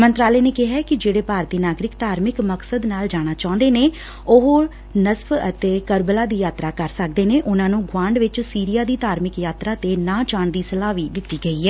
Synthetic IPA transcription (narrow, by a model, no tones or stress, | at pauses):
mə̃nt̪ɾaːleːneːkɪɦaːkɪd͡ʒeːɽeːpaːɾt̪iːnaːɡɾɪkt̪aːɾmɪkməksəd̪naːld͡ʒaːɽ̃aːt͡ʃãːʊ̃nd̪eːneː | oɦ | nəsfət̪eːkəɾbəlaːd̪iːjaːt̪ɾaːkəɾsək̚d̪eːneːʔʊnãːnũːɡwãːɳɖʋɪt͡ʃsiːɾɪjaːd̪iːd̪aːɾmɪkjaːt̪ɾaːt̪eːnãːt͡ʃaːɳd̪iːsəlaːʋiːd̪ɪt̪ːiːɡəiːɦɛː